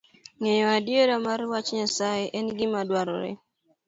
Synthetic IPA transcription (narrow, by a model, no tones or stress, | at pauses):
ŋeɲɔadjeɾamaɾwat͡ʃɲasajeʔɛnɡɪmadwaɾɔ̰ɾɛ̰